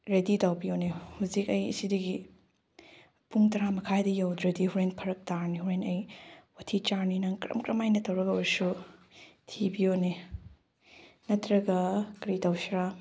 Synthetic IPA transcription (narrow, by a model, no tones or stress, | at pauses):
ɾeditawbijonehuzikɐjḭsidɐɡi | puŋtɐɾamɐkʰajdɐjawdɾɐdihuɾenpʰɐɾɐk̚taɾnihuɾenɐjwɐtʰit͡ʃaɾninɐŋkɾɐ̰mkɾɐmajnɐtɐwɾɐɡɐoɾsu | tʰibijone | nɐtɾɐɡɐkɾitawsɾa